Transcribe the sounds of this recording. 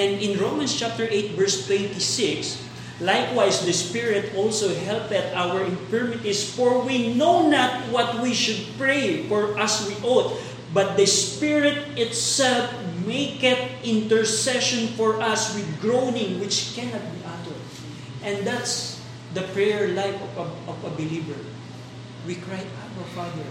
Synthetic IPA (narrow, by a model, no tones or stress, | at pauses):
ʔɛ̃nd̪ɪ̃nɹoʊmɐ̃nst͡ʃap̚t̪əɹʔejt̪̚vɛɹst̪wɛ̃nt̪isɪks | lajkwajsd̪ɐspɪɹɪt̪ɔlsowɦɛlpɛt̪awəɹɪ̃nfɪɹmɪt̪isfɔɹwinownat̪̚wɔt̪wiʃʊd̪̚pɹejfɔɹʔɐswiʔot̪ | bɐt̪̚d̪ɐspɪɹɪt̪̚ɪt̪sɛlfmeɪkɛt̪̚ɪ̃nt̪ɛɹsɛʃɔ̃nfɔɹʔɐswɪd̪̚ɡɹownɪ̃ŋwɪt͡ʃkɛnat̪̚biʔat̪ɔd̪ | ʔɛ̃nd̪at̪s | d̪ɐpɹɛjəɹlajfɔɔvɐbɪlivəɹ | wikɹajt̪aəɹfad̪ɛɹ